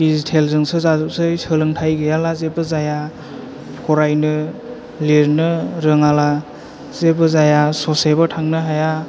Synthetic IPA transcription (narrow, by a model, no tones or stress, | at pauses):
dizitʰelzɯŋsɯzazusɯjsɯlɯŋtʰajɡɯjalazebɯzaja | pʰɔɾajnɯ | leɾnɯɾɯŋala | zebɯzajasɔsebɯtʰaŋnɯɦaja